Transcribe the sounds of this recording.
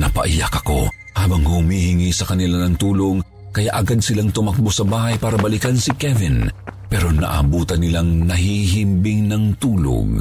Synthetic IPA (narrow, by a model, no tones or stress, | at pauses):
nɐpɐ̰ʔɪjakɐko̞ | haːbɐŋhhʊmiːhɪŋisɐkɐnɪlanɐŋt̪uːloŋ | kɐjaʔɐɡad̪̚sɪlaŋt̪ʊmɐk̚bosɐbaːhɐjpaːɾɐbɐlikɐnsikɛvɪnpɛɾo̞nɐ̰ʔɐ̰buːt̪ɐnːɪlaŋnɐhiɦimbɪŋnɐŋt̪uːlo̰ɡ